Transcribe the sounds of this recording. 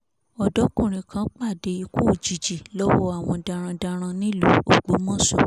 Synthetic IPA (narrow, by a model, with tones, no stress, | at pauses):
ɔ˨dɔ˨˦kũ˦˨ɾ̃ĩ˨kã˨˦k͡pa˦˨de˧˦i˧ku˦˨d͡ʒi˨d͡ʒi˨lɔ˦wɔ˦a˦˨w̃ɔ̃˧dã˧ɾ̃ã˧da˧ɾ̃ã˧nĩ˦lo˨˦o˨ɡ͡bo˨˦mɔ̃˦˨sɔ˦˨